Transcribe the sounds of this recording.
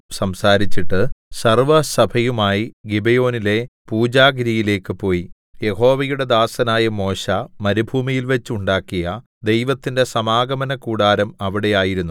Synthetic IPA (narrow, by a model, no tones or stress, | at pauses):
sɐmsaːɾit͡ɕːiʈːɨsɐrʋɐsɐbʱɐjumaːjiɡibejo̞ːnile̞puːd͡ʑaːɡɾijile̞ːkːɨpo̞ːji | je̞ho̞ːʋɐjuɽe̞d̪aːsɐnaːjɐmo̞ːɕɐmɐɾibʱuːmijilʋet͡ɕːuɳɖaːkːijɐ | d̪ejʋɐt̪ːinde̞sɐmaːɡɐmɐnɐkuːɽaːɾɐmɐʋiɽe̞jaːjiɾunːu